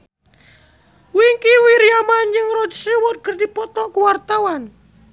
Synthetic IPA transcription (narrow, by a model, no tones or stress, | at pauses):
wiŋkiwiɾijamand͡ʒɨŋrɔd͡ʒsewɔt̪̚kərdipɔt̪ɔʔkuwart̪awan